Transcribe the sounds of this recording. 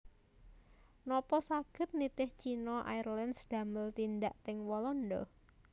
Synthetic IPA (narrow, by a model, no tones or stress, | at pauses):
nɔpɔsaɡ̥ə̤t̪̚nit̪ɪht͡ʃinɔʔa̰irlandsd̪̥a̤məlt̪ind̪aʔt̪ɪŋwɔlɔndɔ̰